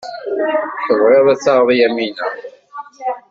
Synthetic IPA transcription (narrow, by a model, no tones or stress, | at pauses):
θəðˤʁeðˤæt͡sːɑʁðˤjæminæ